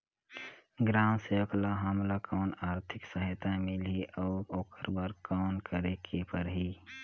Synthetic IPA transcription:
ɡɾaːmseoklaɦamlakɔːnaːɾt̪ʰɪksəɦɪt̪amɪlɦiʔɔːɾoːkəɾbaːɾkɔːnkəɾekʰepəɾɦi

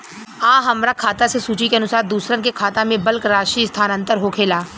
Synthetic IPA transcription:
ãːɦɐmɾakʰaːt̪asesuːt͡ʃikeɐnʊsaːɾd̪uːsɾənkekʰaːt̪ãmẽbɐlkɾaːʃist̪ʰaːnə̃nt̪əɾɦoːkʰeːlaː

